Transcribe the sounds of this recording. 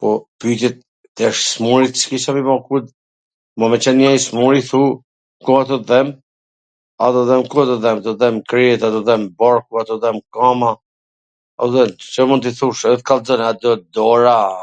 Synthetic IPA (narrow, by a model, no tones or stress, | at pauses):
pɔpyt̪ɛt̪̚ː | ɛʃsmuɾit̪t͡ʃkiʃamimɔkud̪ | mɔmɛt͡ʃɛnjɛsmuɾiθu | kuat̪ɔðɛm | at̪ɔðɛmkuat̪ɔðɛmad̪ɔðɛmkɾit̪at̪ɔðɛmbɔɾkuat̪ɔðɛmkama | at̪ɔðɛmt͡ʃɔmunt̪iθuʃət̪kald͡zɔnat̪ɔd̪ɔɾa